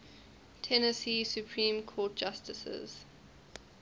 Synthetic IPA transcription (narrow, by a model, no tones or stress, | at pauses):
tʰɛnəsiːsjupʰɹĩːmkʰɔːt̚d̥d͡ʒ̥astəsə̰z̥